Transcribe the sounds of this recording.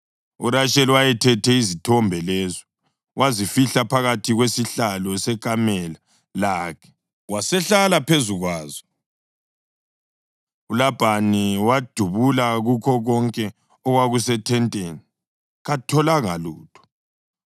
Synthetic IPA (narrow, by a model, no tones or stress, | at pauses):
ṵɾaʃɛliwajɛtʰɛtʰɛizitʰɔmbʱɛlɛːzɔ | wʔazifiɬapʰaɣatʰiɣwesiɬalɔsɛkʼamɛla | laːkʰɛ̥ | wasɛɬalapʰezuɣwaːzɔ | ulab̥ʱaniwad̥ʱuβulaɣukʰɔɣɔŋkʼɛ | ɔɣwaɣusɛtʰɛntʼeːni | ɣatʰɔlaŋaluːtʰʼɔ̥